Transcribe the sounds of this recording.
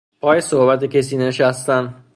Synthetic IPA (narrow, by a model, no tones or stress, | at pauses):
pʰɒːjesohbæt̪ʰeces̬iːneʃæst̪æn